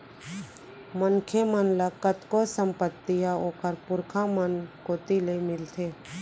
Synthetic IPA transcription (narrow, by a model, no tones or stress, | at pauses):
mənkʰemənlakət̪kosə̃mpət̪ːijaoːkəɾpʊɾkʰãmənkoːt̪ilemɪlt̪ʰeː